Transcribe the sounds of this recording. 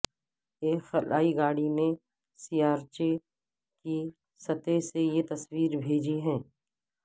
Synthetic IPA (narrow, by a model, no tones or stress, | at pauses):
eːxɐlaːiɡaːɽimẽ | sijaːɾt͡ʃe | ki | sɐt̪esejet̪ɐswiːɾbʱeːd͡ʒiɦɛ̃ː